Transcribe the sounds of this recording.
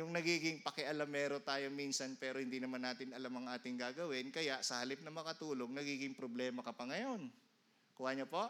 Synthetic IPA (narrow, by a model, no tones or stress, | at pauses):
jʊŋnɐɡiːɡɪŋpɐkɛʔɐlamːɛːɾot̪aːjomiːnsɐnpɛːɾo̞hɪnd̪inɐmanːaːt̪ɪnɐlamɐŋʔaːt̪ɪŋɡaːɡɐwɪnkɐjaʔsɐhɐlɪp̚nɐmɐkɐt̪uːlo̞ŋnɐɡiːɡɪŋpɾoblɛːmɐkɐpɐŋɐjo̞n | kʊwaɲɐpoʔ